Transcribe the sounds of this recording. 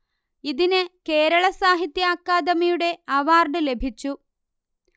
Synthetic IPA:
iðinɨke̞ːɾɐɭɐsaːɦit̪jɐaːkːaːd̪ɐmiɐjuɽe̞ɐʋaːrɖɨle̞bʱit͡ɕːu

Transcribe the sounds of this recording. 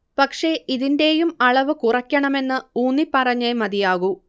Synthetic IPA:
pɐkʂe̞iðinde̞jumɐɭɐʋɨkurɐkʲːɐɳɐme̞nːɨuːnːipɐrɐɲːemɐðijaːɣu

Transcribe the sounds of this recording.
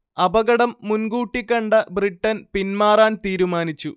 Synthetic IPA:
ɐbɐɣɐɽɐmːunɡuːʈːikʲːɐɳɖɐbriʈːɐnpinmaːraːnt̪iːɾumaːnit͡ɕːu

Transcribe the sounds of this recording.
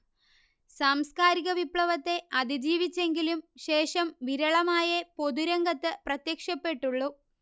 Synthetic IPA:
saːmskaːɾiɣɐʋipɭɐʋɐt̪ːe̞ʔɐd̪id͡ʑiːʋit͡ɕːe̞ŋɡilumɕe̞ːʂɐmʋiɾɐɭɐmaːjɐpo̞ðuɾɐŋɡɐt̪ːɨprɐt̪jɐkʂɐpːe̞ʈːuɭːu

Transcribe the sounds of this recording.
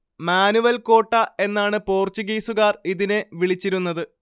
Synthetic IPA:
maːnuʋɐlko̞ːʈːɐe̞nːaːɳɨpo̞ːrt͡ɕuɡiːsuɣaːriðineʋiɭit͡ɕːiɾunːɐðɨ

